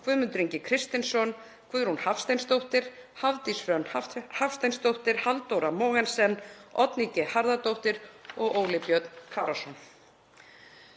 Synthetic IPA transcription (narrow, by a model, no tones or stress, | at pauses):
kʰvʏmʏnt̪ɾiɲcɪkʰɾɪst̪ɪnsɔn | kʰvʏðʏɾ̥hunhafst̪ejnst̪owht̪ɪɾ̥ | havt̪isfɾœnhafst̪ajnst̪owht̪ɪɾ̥halt̪owɾamoːɣɛnsɛnːɔt̪nicɪhaɾðat̪owht̪ɪɾ̥ɔɣoːwlɪpjœt̪nkʰaːɾasɔn